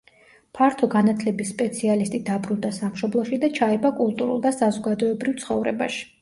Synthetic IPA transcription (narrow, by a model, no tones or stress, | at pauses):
pʰaɾt̪ʰɔɡanat̪ʰlɛbisːpʼɛt̪sʰialist̪ʼid̪abɾund̪asamʃɔblˠɔʃid̪at͡ʃʰaɛbakʼulˠt̪ʼuɾṵlˠd̪asazɔɡad̪ɔɛbɾivt̪sʰχɔvɾɛ̰ba̰ʃi̥